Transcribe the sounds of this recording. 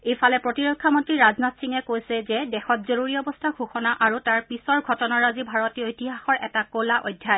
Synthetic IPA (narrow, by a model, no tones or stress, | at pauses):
ejfalɛpɹotiɹɔkʰːamɔntɹiɹaznatsiŋɛkojsɛzɛdɛxɔt̚zoɹuɹiɔbɔstʰaɡʱuxɔnaʔaɹutaɹpisɔɹɡʱɔtɔnaɹazibʱaɹɔtiojtiɦaxɔɹʔɛ̰takolaʔo̰jdʱːjaj